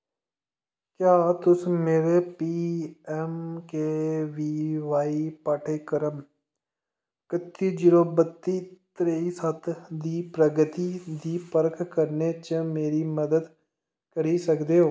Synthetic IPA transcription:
kjaːt̪ʊsmeːɾepiːɛmkeʋiʋaːipaːʈʰekəɾəm | kət̪ːid͡ʒɪɾoːbət̪ːit̪ɾeisət̪d̪iːpɾəɡət̪id̪ipəɾkʰkəɾnet͡ʃəmeːɾiməd̪əd̪ | kəɾisəkd̪eɦoː

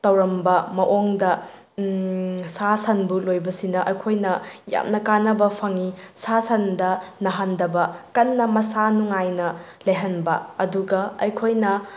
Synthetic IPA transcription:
tɐwɾɐmbɐmɐʔoŋdɐ | sasɐnbulojbɐsinɐʔɐjkʰojnɐja̰mnɐkanɐbɐpʰɐŋisasɐndɐnɐɦandɐbɐkɐnːɐmɐsanuŋajnɐ | lɐjɦɐnbɐ̰ɐduɡɐɐjkʰojnɐ

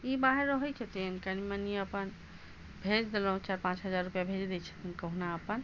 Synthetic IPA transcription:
ibaɦeɾːəɦɛjt͡ʃʰət̪inkənimeniəpən | bʱed͡ʒd̪elɦũt͡ʃaɾpãt͡ʃɦəd͡ʒaɾːupjabʱed͡ʒd̪ɛt͡ʃʰə̥t̪ʰinkəɦnaəpən

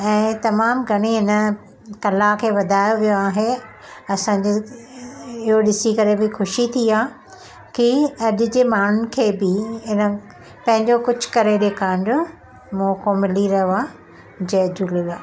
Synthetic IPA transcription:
ɛ̃ːt̪ɐmaːmɡʱɐɽ̃iɦɪnə̆ | kɐlakʰeːʋɐd̪ʱaːjoʋijoaːɦe | ɐsãːɲd͡ʑe | ɪɦoɗɪsikɐɾebɪxʊʃit̪ʰiaː | kiɐʄʊd͡ʑeːmaːɳ̤ʊnɪ̆kʰeːbɪɪnə̆ | pɐ̃ɦɪ̃ɲd͡ʑokʊd͡ʑʱʊ̥kɐɾeɗeːkʰãːɪndʊ | mũːkʰomɪliɾɐɦoaː | d͡ʑeːd͡ʑulɪlaː

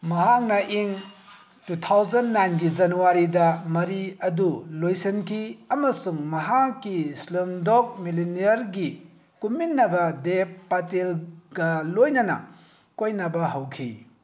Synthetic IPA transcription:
mɐɦak̚nɐʔiŋ | tutʰawzɐnːajnɡizɐnuwaɾidɐmɐɾiɐdulojsenkʰiɐmɐsuŋmɐɦakːislemdok̚miliniɐɾɡi | kuminːɐbɐdeppːatelɡɐlojnɐnɐ̰ | kojnɐbɐɦɐwkʰḭ

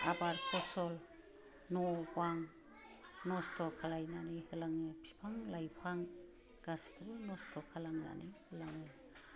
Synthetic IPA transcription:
abaɾpʰɔsɔl | nɔbaŋ | nɔstʰɔkʰalajnanihɯlaŋɯpʰi̥pʰaŋlajpʰaŋ | ɡ̥askʰɯbɯnɔstʰɔkʰalaŋna̰nɯjhɯlaŋɯ

